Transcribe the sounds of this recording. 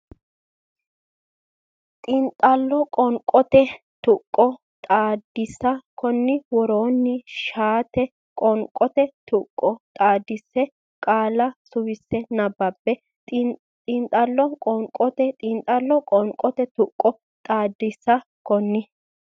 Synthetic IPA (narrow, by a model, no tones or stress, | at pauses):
t̪ʼɪnt̪ʼɐlːɔkʼɔŋkʼɔt̪ɛ | t̪ʊkʼːɔ | t̪ʼaːd̪ːɪsːɐkɔnːɪwɔɾoːnːɪʃaːt̪ɛ | kʼɔŋkʼɔt̪ɛt̪ʊkʼːɔt̪ʼaːd̪ːɪsːɛ | kʼaːlɐsʊwɪsːɛnɐbːɐbːɛ | t̪ʼɪnt̪ʼɐlːɔkʼɔŋkʼɔt̪ɛt̪ʼɪnt̪ʼɐlːɔkʼɔŋkʼɔt̪ɛt̪ʊkʼːɔ | t̪ʼaːd̪ːɪsːɐ | kɔnːɪ